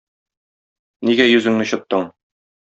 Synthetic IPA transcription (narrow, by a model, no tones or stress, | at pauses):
niɡæjʉzɘ̆ŋnɘ̆ɕŏt̪ːɤɴ